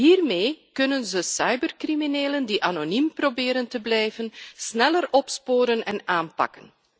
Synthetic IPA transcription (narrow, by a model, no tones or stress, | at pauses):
ɦiːrmeːkɵnənzəsɑjbərkrimineːləndiʔanonimprobɪːɾəntəblɛjvənsnɛlərɔpspoːɾənɛnaːnpɑ̰kən